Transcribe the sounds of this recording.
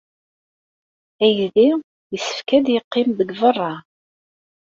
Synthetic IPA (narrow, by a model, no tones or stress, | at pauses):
æjði | jəsə̥fkæd̪jəqːɪmbəɡvərˤːɑ